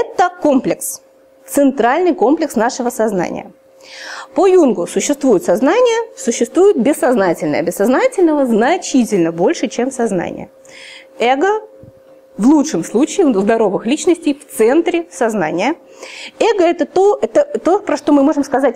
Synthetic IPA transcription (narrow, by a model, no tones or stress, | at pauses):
ɛt̪əko̞mplʲɪks | t̪sɨnt̪ɾalʲnɨjko̞mplʲɪksnaʂɨvəsɐzna̰nʲɪ̰jə̰ | pojunɡʊsʊɕːɪst̪vujʊt̪sɐznanʲɪjəsʊɕːɪst̪vujɪt̪̚bʲɪsːɐznatʲɪlʲnə̰jəbʲɪsːɐznatʲɪlʲnəvəznɐt͡ɕitʲɪlʲnəbo̞lʲʂɨt͡ɕemsɐzna̰nʲɪ̰jə̰ | ɛɡə | vlˠutʂɨmslˠut͡ɕɪɪzd̪ɐɾo̞vɨxlʲit͡ɕnəsʲtʲɪjft̪sɛnt̪ɾʲɪsɐzna̰nʲɪjə | ɛɡəɛt̪ət̪oɛt̪ət̪opɾɐʂt̪o̞mɨmo̞ʐɨmskɐzatʲ